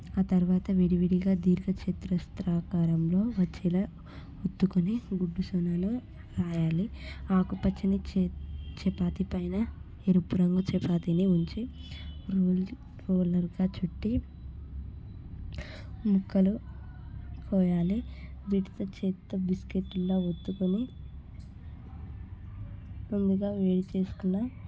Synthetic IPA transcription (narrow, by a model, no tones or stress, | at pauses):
aːt̪ɐɾuʋaːt̪ɐʋiɽiʋiɽiɡaːd̪iːɾɡɐt͡ʃet̪ɾɐst̪ɾaːkaːɾɐmlo̞ːʋɐt͡ʃːilɐ | ut̪ːukuniɡuɖːusɐnaːnu | ɾaːjaːliaːkupɐt͡ʃːɐnit͡ʃːt͡ʃɛpaːt̪ipɐjnɐ | eɾupuɾɐŋɡut͡ʃɛpaːt̪iniuɲt͡ʃiɾoːl | ɾoːlɐɾɡaːt͡ʃuʈːi | mukːɐlu | kʰɔːjaːlib̪iʈit̪ot͡ʃeːt̪ːɐbiskeʈːulːoːot̪ːukoni | mund̪uɡaːʋeːɽit͡ʃe̞ːsu̥kunːa